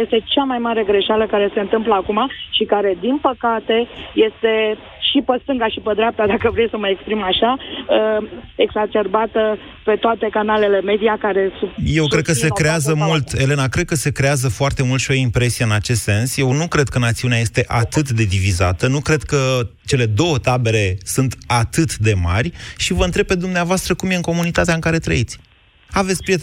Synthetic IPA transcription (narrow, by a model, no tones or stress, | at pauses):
jest̪e̞t͡ʃamajmaɾe̞ɡɾe̞ʃaləkaɾe̞se̞ɨnt̪ɨmpləakumaʃikaɾe̞d̪inpəkat̪e̞je̞st̪e̞ | ʃipəst̪ɨŋɡaʃipəd̪ɾeap̚t̪ad̪akəvɾejsəməekspɾimaʃa | eɡzat͡ʃe̞rbat̪ə | pe̞t̪oat̪e̞kanale̞le̞me̞d̪ijakaɾe̞suje̞wkɾed̪̚kəse̞kɾe̞azəmult̪e̞le̞nakɾe̞d̪̚kəse̞kɾe̞azəfoart̪e̞mult̪ʃio̞impɾe̞sijeɨnat͡ʃe̞s̬t̪se̞nsje̞wnukɾe̞d̪̚kənat̪siuneaje̞st̪e̞ʔat̪ɨt̪d̪e̞d̪iviza̰t̪ənukɾe̞d̪̚kət͡ʃe̞le̞d̪o̞wət̪abe̞ɾe̞sunt̪at̪ɨt̪d̪e̞ma̰rʲʃivəɨnt̪ɾeb̚pe̞d̪umneavoast̪ɾəkumje̞ɨŋko̞munit̪at̪eaɨŋkaɾe̞t̪ɾə̰it̪sʲ | avet̪sʲpɾiet̪